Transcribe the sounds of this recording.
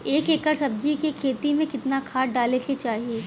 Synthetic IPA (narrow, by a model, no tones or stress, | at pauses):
eːkeːkəɾsɐb̚d͡ʒikekʰeːt̪imẽkɪt̪nakʰaːɖaːleket͡ʃaːɦieː